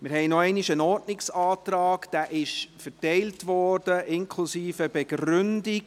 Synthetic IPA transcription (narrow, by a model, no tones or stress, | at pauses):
mɪɾɦɛɪnɔɛɪniʃənɔːɾdnɪksɑːt̪ɾɑːɡd̥æːʔɪʃfɛɾtɛɪltʋɔːɾd̥əʔɪnkʰlusiːfəbɛɡrʏndɪɡ